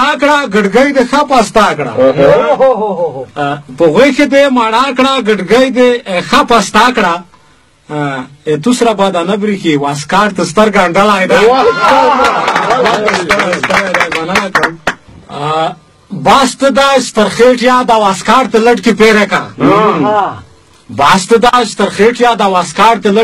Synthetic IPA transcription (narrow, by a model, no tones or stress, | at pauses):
akɽaɡəɖɡəjd̪exapast̪akɽa̰ | pəɣexed̪emaɽakɽaɡəɖɡajd̪exapast̪akɽa | et̪usɾabad̪anabɾixiwaskaɽt̪əst̪əɾɡaɳɖalajd̪a | waəst̪aɾast̪alajd̪ajbanalakɽam | bast̪əd̪aʃt̪əɾxeʈjad̪awaskaːɾt̪eləʈkipeɾeka̰ | bast̪əd̪aʃt̪əɾxeʈjad̪awaskaːɾt̪elə